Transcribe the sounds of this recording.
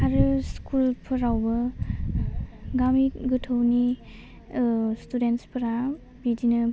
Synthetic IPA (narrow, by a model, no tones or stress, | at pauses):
aɾɯskʰulpʰɯɾawbɐ | ɡamiɡɯtʰɯwni | studenspʰɯɾa | bidinɯ